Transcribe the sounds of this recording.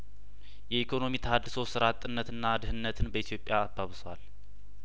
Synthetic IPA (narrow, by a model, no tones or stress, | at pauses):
jɛikʰo̞no̞mit̪ʰəhad̪ːɨso̞sɨɾat̪ʼːɨnːət̪ɨnːad̪ɨhɨnːət̪ʰɨnbəit̪ʰjo̞pʼːjaːbːaβɨswal